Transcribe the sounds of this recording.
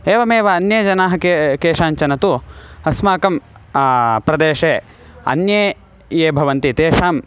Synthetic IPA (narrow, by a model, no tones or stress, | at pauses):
eːʋɐmeːʋɐɐnjeːd͡ʒɐnaːɦɐ̆kekeːʃaːɲt͡ʃɐnɐt̪uɐsmaːkɐm | pɾɐd̪eːʂeː | ɐ̰njeː | jeːbʱɐʋɐnt̪it̪eːʂaːm